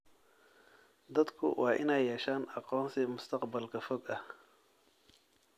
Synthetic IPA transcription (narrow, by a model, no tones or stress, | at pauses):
d̪ɐd̪kʰʊ̰wʔɑːʔɪ̰nɛjːɛːʃaːnɑqɔːnsɪmʊst̪ʰɐqbɐlkʰɐfɔɡɐh